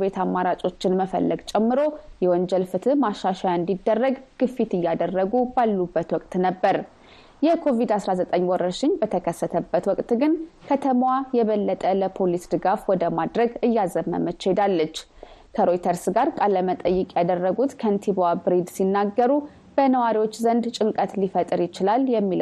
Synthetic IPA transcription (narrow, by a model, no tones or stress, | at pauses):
bet̪amːaɾat͡ʃʼo̞t͡ʃːɪnməfə̰lːəɡt͡ʃʼɛmːɨɾo̞jɛwɔɲd͡ʒɛlfɨt̪ʰɨmaʃːaʃajɨnd̪id̪ːərːəɡɡ̥ɨfːit̪ɨjːad̪ərːəɡubalːubːət̪wɔkʼt̪ʼnəbːəɾ | jɛkʰo̞vid̪asɾazət̪ʼəɲːwɔɾːəʃɪɲbət̪ʰəkʰəsːət̪ʰəbːət̪wɔkʼt̪ʼɡɨnkʰət̪ʰəmwajɛβəlːət̪ʼələpʰo̞lisd̪ɨɡafwɔd̪əmad̪ɾəɡɨjːazəmːə̰mət͡ʃːed̪alːət͡ʃː | kʰəɾo̞jt̪ʰəɾsɡaɾkʼalːəmət̪ʼəjːɨkʼjad̪ərːəɡut̪kʰənt̪ʰibabɾid̪sinːaɡːəɾu | b̥ənəwaɾiwot͡ʃːzənd̪t͡ʃʼɨŋkʼət̪lifət̪ʼɾjɪt͡ʃɪlaljɛmːil